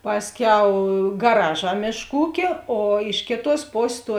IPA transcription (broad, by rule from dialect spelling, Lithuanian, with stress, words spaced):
ˈpɑːsʲˌkʲɛʊ ɡɐˈrɑːˌʒɑː ˈmʲeːʃˌkuː ˈuːkʲeː oː ˈɪʃ kʲeːˌtuɔs ˈpoːsʲeːs tuɔ